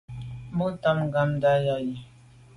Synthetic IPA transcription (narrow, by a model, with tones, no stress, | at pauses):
mu˦ta˦mŋ˨ɡa˦mda˦ja˨ji˨